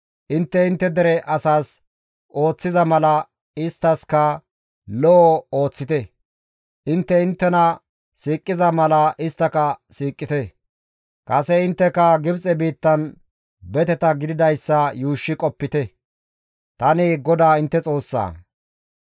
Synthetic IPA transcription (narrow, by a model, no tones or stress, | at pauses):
ʔɪnt̪ːɛɪnt̪ːɛd̪ɛɾɛʔɐsaːs | ʔo̞ːt͡sːɪzɐmɐlɐ | ɪst̪ːɐskɐ | lɔʔɔoːt͡sːɪt̪ɛ | ʔɪnt̪ːɛɪnt̪ːɛnɐ | siːkʼːɪzɐmɐlɐʔɪst̪ːɐkɐsiːkʼːɪt̪ɛ | kʼɐsɛɪnt̪ːɛkɐɡɪbt͡sʼɛbiːt̪ːɐn | bɛt̪ɛt̪ɐɡɪd̪ɪd̪ɐjsːɐjuːʃːɪkʼɔpːɪt̪ɛ | t̪ɐnɪɡɔd̪aːɪnt̪ːɛt͡sʼo̞ːsːa̰ː